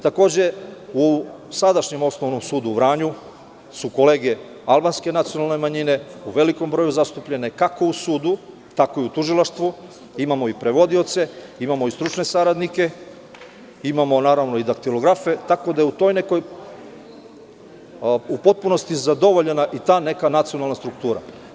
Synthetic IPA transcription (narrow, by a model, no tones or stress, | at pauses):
t̪ako̞ːd͡ʑe̞usad̪aʃɲe̞mo̞sno̞ʋno̞msuːd̪uʋɾaːɲu | suko̞leːɡe̞ | alˠbanske̞nat̪sijo̞nalˠne̞maɲine̞uʋe̞liko̞mbɾo̞juzast̪upʎe̞ne̞kako̞usuːd̪u | t̪ako̞iut̪uʒilˠaʃt̪ʋu | imamo̞ipɾe̞ʋo̞d̪io̞t̪se̞imamo̞ist̪ɾut͡ʃne̞saɾad̪nike̞ | imamo̞naːɾaʋnoid̪akt̪ilˠoɡɾafet̪ako̞d̪ajeut̪ojne̞ko̞j | upo̞t̪̚puno̞st̪izad̪o̞ʋo̞ʎenaʔit̪aːne̞kanat̪sio̞nalnast̪ɾuk̚t̪uːɾa̰